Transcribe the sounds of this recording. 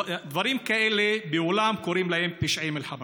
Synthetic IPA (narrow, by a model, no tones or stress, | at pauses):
d̪vaɾiːmkaʔelebeolamkoɾiːmlahemt̪iʃʕimelħama